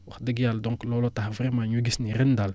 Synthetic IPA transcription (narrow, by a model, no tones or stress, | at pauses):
wʊxdəɡjaldɔŋklolotaχvɾimaɲuɡisniɾindal